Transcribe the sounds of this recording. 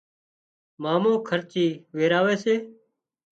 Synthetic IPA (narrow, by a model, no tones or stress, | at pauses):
maːmõːkʰəɾt͡ʃiːʋeːɾaːʋeːseː